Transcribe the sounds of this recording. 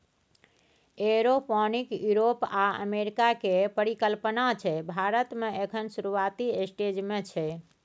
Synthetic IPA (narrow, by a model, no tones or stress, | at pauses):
eɾopɔnikjuɾopaə̰meɾikakepəɾikəlpənat͡ʃʰɛbʱaɾət̪meekʰənsuɾuat̪iesʈed͡ʒmet͡ʃʰɛ